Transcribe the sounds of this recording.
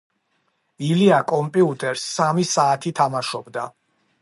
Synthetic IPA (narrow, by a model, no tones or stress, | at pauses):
iliakʼɔmpʼiut̪ʼɛɾsːamisaːt̪ʰit̪ʰamaʃɔbd̪a